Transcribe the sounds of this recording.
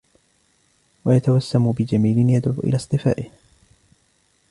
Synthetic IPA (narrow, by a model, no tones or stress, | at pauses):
wajat̪awasːambɪd͡ʒamiːlɪnjad̪ʕuːʔɪ̰laːsˤt̪ˤɨfa̰ːʔɪh